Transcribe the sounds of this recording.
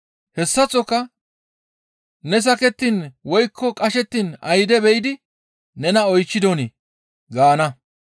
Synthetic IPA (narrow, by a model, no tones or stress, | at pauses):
hɛsːɐt͡sʼːɔkːɐ | nɛs̬ɐkɛt̪ːiːnwɔjkʰːɔkʼɐʃɛt̪ːiːnɐjd̪ɛbɛjɪd̪ɪ | nɛnɐɔjt͡ʃːɪd̪ɔnɪ | ɡaːnɐ